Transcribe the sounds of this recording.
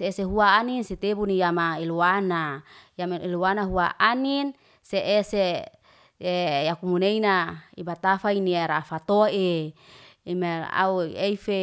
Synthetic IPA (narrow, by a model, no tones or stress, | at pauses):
seːseɦuaːninset̪ebunijamaeluanajameluanaɦua̰ʔanin | seʔese | ejakumuneinaibat̪afainiaɾafat̪oe | imaa̰ueife